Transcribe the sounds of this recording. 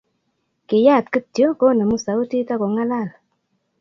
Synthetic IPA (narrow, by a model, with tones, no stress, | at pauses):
kɪ˨ja˦˨tkə˦tjo˦ko˦na˨mu˦sa˨u˦ti˦ta˦ko˨ŋa˦la˦˨la˨